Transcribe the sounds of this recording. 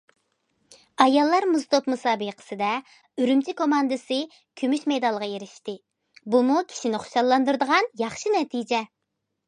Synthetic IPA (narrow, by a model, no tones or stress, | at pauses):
ɑjɑlˠːɑɾmuzt̪opmɨsɑːbɨqʰə̥sɨd̪ɛ | yɾymt͡ʃʰikomɑnd̪ɨsɨ | kʲʰymyʃmejd̪ɑlˠʁɑjeɾɪʃt̪ɪ | bumukʲʰi̥ʃinɪχʊ̥ʃɑlˠːɑnd̪uɾd̪əʁɑnjɑχʃinɛt̪ʰid͡ʒɛ